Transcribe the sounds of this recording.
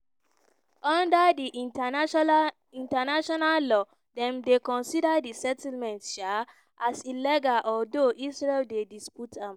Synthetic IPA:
ʔɔ̃ndədiʔ | ĩntanaʃɔnallɔ | dɛ̃mdekɔ̃nsidədisɛtlmɛ̃ntʃa | ʔasilɛɡaʔɔldoʔisɹeldedisputʰãm

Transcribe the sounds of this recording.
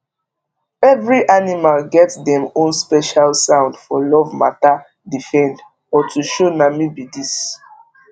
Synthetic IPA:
ɛvɹiʔanimalɡɛtdɛ̃mõnspɛʃalsãʊ̃ndfɔlɔvma̰ta | difɛ̃nd | ɔtʰuʃonamibidis

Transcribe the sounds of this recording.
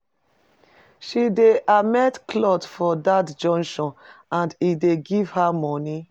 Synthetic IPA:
ʃideʔamɛtkʰlɔtfɔdatd͡ʒɔ̃ŋʃɔ̃nãndideɡiv̥hamɔni

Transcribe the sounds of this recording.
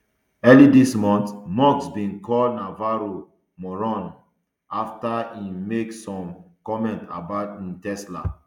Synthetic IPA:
ɛlidismɔ̃ntmɔksbĩnkɔldnavaɹo | mɔɹɔ̃n | aftaĩmeksɔ̃mkɔmɛ̃nta̰baʊtĩntɛsla̰

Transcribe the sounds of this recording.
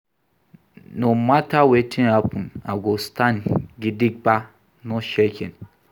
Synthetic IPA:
nõmatʰawetʰĩnhapʰũnaɡostʰãnɡidik̚ba | nɔ̃ʃekʰɛ̰̃n

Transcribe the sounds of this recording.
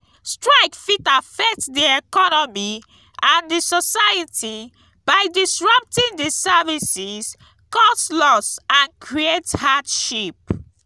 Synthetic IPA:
stɹaɪkfitafɛk̚tdiɛkɔnɔmi | ãndisɔsajitʰi | b̥aɪdisɹʌp̚tĩndisɛvisis | kɔstlɔsãnkʰɹiethadʃip̚

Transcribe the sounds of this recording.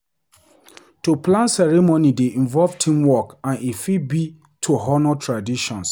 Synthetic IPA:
tuplãnsɛɹɛmonideĩnvɔlvtʰĩmwɔkãnefibi | tʰoɦɔnɔtʰɹadiʃɔ̃ns

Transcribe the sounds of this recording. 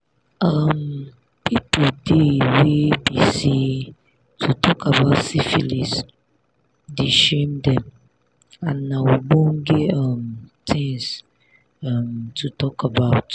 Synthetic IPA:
ʌm | pʰipodewebisi | tʰutʰɔkabaʊtsifilis | diʃẽmdɛ̃m | ãnːãwibõnɡeʌmt̪ʰĩŋs | ʌmtʰutɔkabaʊt

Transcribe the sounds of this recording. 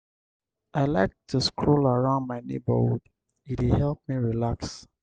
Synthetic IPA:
ʔaɪlaɪk̚tʰuskʰɹolaɹãʊ̃ndmaɪnḛbə̰d | itwɪhɛlˠp̚miɹilaks

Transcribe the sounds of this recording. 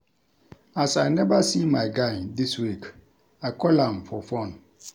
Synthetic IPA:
asaɪnɛbasimãɪɡãɪndiswik | akʰɔlãmfɔfɔ̃n

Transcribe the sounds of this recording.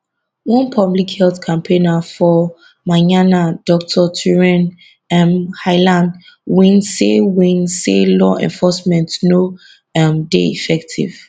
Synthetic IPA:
wɔ̃npʰɔblikhɛlθkʰãmpʰẽnafɔ | maɲanadɔk̚tʰɔtʰuɹɛ̃n | ɛmhaɪlãnd | wĩnsewĩnselɔʔɛ̰̃nfɔsmɛ̃ntno | amdeḭfɛktʰḭv̥

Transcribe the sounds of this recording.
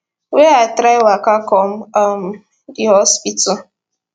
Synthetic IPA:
weatɾaɪwakakɔm̩am̩ | diɦɔspitɔ

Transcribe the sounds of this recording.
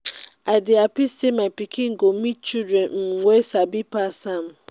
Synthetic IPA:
adɪapistemapikʰĩŋ̩ɡomĩt͡ʃidɾɛnm̩wesabipasam̩

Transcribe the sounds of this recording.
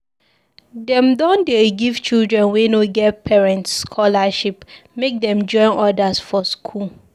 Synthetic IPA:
dɛ̃mdɔ̃ndeɡiv̥t͡ʃildɹɛ̃nwenoɡɛt̚pʰɛɹɛ̃ntsːkʰɔlaʃipmek̚dɛ̃md͡ʒɔ̃ɪ̃nʔɔdasfɔskʰul

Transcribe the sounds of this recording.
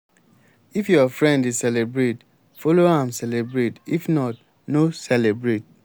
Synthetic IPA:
ifjɔfɹɛ̃ndisɛlebɹet | fɔloãmsɛlebɹetifnɔt | nosɛlebɹet̚

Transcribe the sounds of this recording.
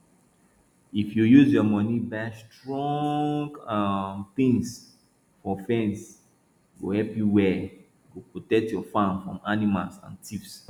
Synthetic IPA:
ifjujuzjɔmɔnibastɹɔ̃ŋŋɡaθĩŋs | fɔfɛ̃ns | ɡohɛlpjuwɛ | ɡopɹotɛk̚tjɔfãnfɹɔ̰̃manimalsã̰ntʰifs

